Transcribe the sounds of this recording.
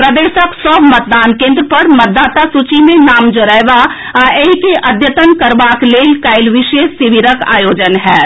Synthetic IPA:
pɾɐd̪eːʃəksɔːbmɐt̪̚d̪aːnkẽːnd̪ɾəpɐɾmɐt̪̚d̪ːaːt̪asut͡ʃimẽnaːmd͡ʒoɾɛːʋa | aːʔeikeʔɐd̪ʱjət̪ənkəɾʋaːkleːlkaːɪlʋɪʃeːsɪʋiɾəka̰ːjoːd͡ʒənɦɛː

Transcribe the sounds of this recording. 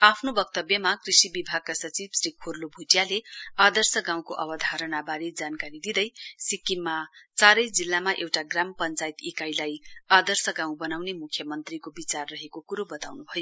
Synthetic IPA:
apʰnobʌkt̪ʌbjʌmakrisibibʱaɡ̚kasʌt͡sibsrikʰorlobʱuʈjalead̪ʌrsʌɡãw̃koʔʌbʌd̪ʱaɾʌnabaɾed͡zankaɾid̪id̪ʌjsikimːat͡saɾʌjd͡zilːamaʔewʈaɡrampʌnt͡sajit̪ikajlajad̪ʌrsʌɡãw̃bʌnawnemukʰːjʌmʌnt̪rikobit͡sarːʌɦekokuɾobʌt̪awnubʱʌjo

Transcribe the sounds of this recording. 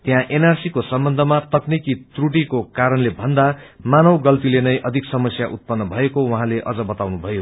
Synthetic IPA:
t̪jãʔenarsikosʌmbʌnd̪ʱʌmat̪ʌknikit̪ruʈikokaɾʌnlebʱʌnd̪amanʌwɡʌlt̪ilenʌjʔʌd̪ʱiksʌmʌsjaʔut̪̚pʌnːʌbʱʌekowʌɦãleʔʌd͡zʌbʌt̪awnubʱʌjo

